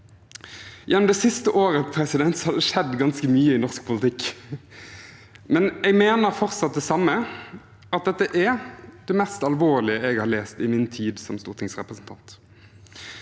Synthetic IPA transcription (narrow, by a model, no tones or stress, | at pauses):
jɛnːɔmd̪ɛsɪst̪əʔoːɾəpʰɾɛsɪd̪ɛnt̪sɔhɑd̪ɛʂɛd̪ɡɑnskəmyːəɪnɔʁsk̚pʰʊlt̪ʰɪkː | mɛnɛɡmeːnəɾfɔʁt̪sɑt̪̚d̪ɛsɑmːə | ɑt̪̚d̪ɛt̪ːəʔɛd̪̥ɛmɛst̪ɑlʋoːlɪəɛɡhɑːɾleːst̪ɪmɪnt̪ʰiːd̪sɔmst̪uːt̪ʰɪŋsʁɛpʁəsn̩t̪ʰɑnt̪